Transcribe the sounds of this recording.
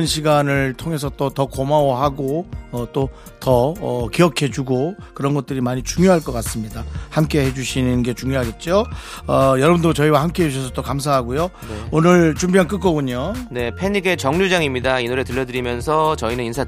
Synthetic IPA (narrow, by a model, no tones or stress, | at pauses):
nɕʰiɡanɯɭtʰoŋe̞s̬ʰʌt͈otʌkomawʌɦaɡoʌt͈o | tʌʌkiʌkʰe̞d͡ʑuɡo | kɯɾʌnɡʌt̚t͈ɯɾimaɲit͡ɕuŋjoɦaɭk͈ʌk͈as͈ɯmɲidahamk͈e̞ɦe̞d͡ʑuɕʰinɯnɡe̞t͡ɕuŋjoɦaɡe̞t̚t͡ɕ͈oʌjʌɾʌbɯndot͡ɕʌiwahamk͈e̞ɦed͡ʑuɕʰʌs̬ʰʌt͈okams̬ʰaɦaɡujo | eonɯɭt͡ɕumbiɦank͈ɯk͈ʌɡuɲone̞pʰe̞ɲiɡet͡ɕʌŋɲud͡ʑaŋimɲidainoɾe̞tɯʎːʌdɯɾimjʌnsʰʌt͡ɕʌinɯninsʰa